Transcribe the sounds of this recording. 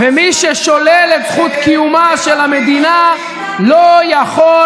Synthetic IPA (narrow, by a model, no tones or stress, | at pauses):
vemiʃeʃolelezχut̪kijumaʃelamed̪ina | lojaχo